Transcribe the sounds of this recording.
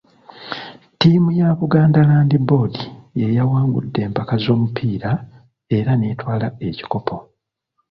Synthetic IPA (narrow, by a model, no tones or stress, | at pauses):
timujaβuɡaːndalaːndibo̞dije̞jawaːŋɡṵdːe̞ːmpakazo̞ːmupʰiːɾa | e̞ɾaneːtwaːlae̞ci̥ko̞pʰo̞